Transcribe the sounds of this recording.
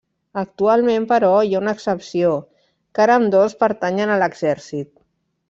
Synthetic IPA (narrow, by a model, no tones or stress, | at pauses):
ək̚t̪ualˠmẽmpəɾɔiaunəksəpsio | kaɾəːmd̪ospəɾt̪aɲənələɡz̥ɛɾsit̪̚